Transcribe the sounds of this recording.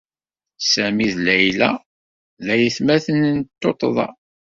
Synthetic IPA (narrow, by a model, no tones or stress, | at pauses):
sæmiðlæjlæ | ðæjəθmæθənənt̪ːot̪ˤðˤɑ̰